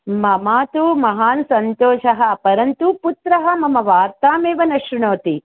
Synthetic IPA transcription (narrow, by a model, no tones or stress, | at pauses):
mɐmaːt̪umɐɦaːnsɐnt̪oːʃɐɦɐ̆pɐɾɐnt̪uput̪ɾɐɦɐmɐmɐʋaːɾt̪aːmeːʋɐnɐʃɾuɳoːt̪i